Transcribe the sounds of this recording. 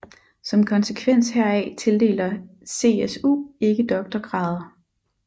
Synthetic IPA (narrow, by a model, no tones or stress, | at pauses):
sɒ̽mkʰɒ̽nsəkʰʋen̰sheɐ̰ɛt͡sʰe̝ld̥e̝̰ːlɐse̝̰ːesṵːe̝ɡ̥əd̥ɒ̽ɡ̥̚d̥ɐɡ̥ʁɑ̈ðˠɐ